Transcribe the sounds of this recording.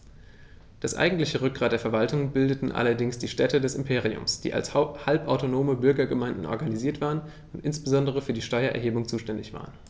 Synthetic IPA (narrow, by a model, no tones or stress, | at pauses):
d̥asʔa̰ɪɡŋ̩tlɪçəʁʏk̚ɡ̥ʁaːt̚d̥eːɐfɛɐvaltʊŋbɪldətn̩ʔa̰lɐdɪŋsd̥iːʃtɛtədɛsɪmpʰeːʁiʊ̰msd̥ḭːa̰lshalpʔaʊtonoːməbʏɐɡɐɡəmaɪndn̩ʔɔ̰ɐɡaniziːɐtv̥aːʁən | ʊntʔɪnsb̥əzɔndəʁəfyːɐdiːʃtɔʏɐʔɛ̰ɐɦeːbʊŋt͡suːʃtɛndɪçv̥a̰ːʁən